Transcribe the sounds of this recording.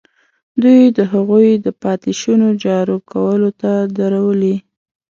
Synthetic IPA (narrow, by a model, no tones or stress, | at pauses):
d̪ujd̪əɦaɣujd̪əpɑt̪ɪʃunod͡ʒɑɾokʰawəlot̪ad̪aɾawəli